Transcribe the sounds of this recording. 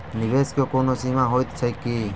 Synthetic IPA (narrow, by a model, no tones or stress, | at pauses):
nɪʋeːskjoːkoːnoːsiːmãːɦoːjt̪t͡sʰəkːiː